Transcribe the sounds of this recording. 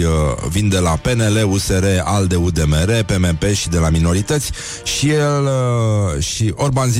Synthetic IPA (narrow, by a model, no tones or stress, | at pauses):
vind̪e̞lape̞ne̞le̞use̞ɾe̞ald̪e̞ud̪e̞meɾe̞pe̞mepe̞ʃid̪e̞lamino̞ɾit̪ət̪sʲ | ʃijel | ʃiʔorbanz